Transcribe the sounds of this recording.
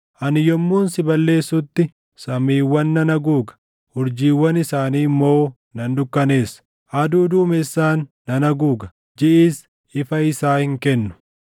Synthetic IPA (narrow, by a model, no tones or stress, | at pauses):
ʔɐnɪjɔmːuːnsɪbɐlːe̞ːsːʊt̪ːɪ | sɐmiːwːɐnːɐnɐɡuːɡɐ̥ | hʊɾd͡ʒiːwːɐnɪsaːniːmːo̞ː | nɐnd̪ʊkːɐne̞ːsɐ̥ | ʔɐd̪uːd̪uːmɛsːaːnːɐnɐɡuːɡɐ̥ | d͡ʒɪʔiːs | ɪfɐɪsaːhɪŋkɛnːʊ̥